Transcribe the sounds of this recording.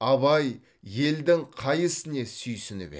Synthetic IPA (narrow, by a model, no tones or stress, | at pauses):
ɑβɑj | je̞ld̪ɪŋqʰɑjəsɪne̞sʏjsɪnɪ̰bḛ